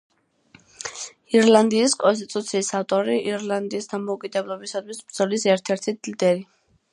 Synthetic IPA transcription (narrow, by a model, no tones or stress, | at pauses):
iɾlˠand̪iːskʼɔns̬t̪ʼit̪ʼut̪sʰiːsaft̪ʼɔɾiʔiɾland̪iːsd̪amɔukʼid̪ɛblˠɔbisad̪ʰwisbɾd̪zɔlisɛɾt̪ʰɛɾt̪ʰid̪lid̪ɛɾi